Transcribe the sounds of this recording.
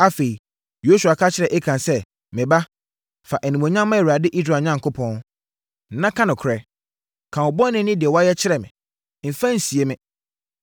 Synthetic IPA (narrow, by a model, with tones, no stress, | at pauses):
a˦fe˨i˨ | jo˦su˨a˨kʰa˦t͡ɕʰɪ˦ɾɛ˨ʔɛ˦kʰã˨nsɛ˦ | mɪ̃˨ba˦ | fa˨ʔɛ˨nĩ˨mõ˨ɲã˦mːã˦˨wa˨dɪ˦ʔi˦sɾa˨ɲã˦ŋ˨kʰʊ˦pʰɔ̃˦n | n̩˨nã˦kʰã˦nʊ̃˨kʰɾɛ˨ | kʰã˨wɔ˨bɔ˦nɪ̃˦nɪ̃˦dɪ˨ɛ˨wɔ˦a˦jɛ˦t͡ɕʰɪ˦ɾɛ˨mɪ̰̃˨ | m̩˨fã˦n̩˨si˨e˨mɪ̃˦